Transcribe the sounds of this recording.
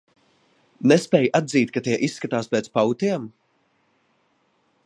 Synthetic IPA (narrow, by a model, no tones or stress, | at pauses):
nespɛːjʔad̪ziːt̪̚kat̪iɛʔisːkat̪aːspɛːt̪spawt̪ʲiɛm